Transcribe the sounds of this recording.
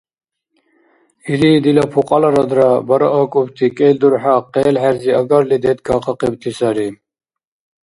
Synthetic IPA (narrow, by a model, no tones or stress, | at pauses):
ilid̪ilapʰuqʼɑlaɾad̪ɾabaɾaʔakʼubt̪ʰikʼɛld̪uɾħaqɛːlħɛɾziaɡaɾlid̪ɛt̪̚ɡʰaqʰɑqibt̪ʰisaɾi